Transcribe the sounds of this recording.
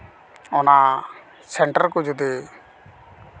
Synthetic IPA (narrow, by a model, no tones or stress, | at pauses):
ɔna | sɛɳʈəɾkud͡ʒud̪e